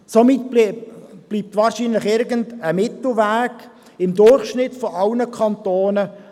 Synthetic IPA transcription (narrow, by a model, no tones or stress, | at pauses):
somɪt | b̥liːp̚tvɑːɾʃinlɪχɪɾɡəndəmɪtl̩væːɡ̥ | ɪmd̪ʊrχʃnɪtfɔʔɑlnəkʰɑnt̪oːnə